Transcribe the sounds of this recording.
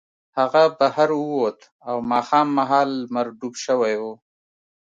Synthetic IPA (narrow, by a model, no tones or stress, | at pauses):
haɣabahaɾuwot̪ | awmɑːxɑːmːaɦɑːlmaɾd̪ubʃəwajo